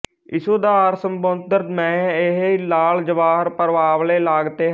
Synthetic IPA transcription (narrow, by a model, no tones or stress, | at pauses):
ɪsoːd̪aːɾsəmbõnd̪əɾt̪mɛ̃ːɪɦlaːld͡ʒəʋaːɦəɾpəɾʋaːʋleːlaːɡt̪eː